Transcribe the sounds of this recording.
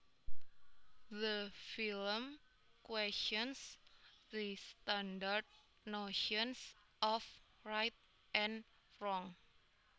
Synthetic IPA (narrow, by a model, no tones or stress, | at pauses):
ðəfilm | kwɛst͡ʃɔnsðist̪andard̚ | noʃɔns | ʔɔf | rajt̪̚ | ʔɛ̃n | rɔŋ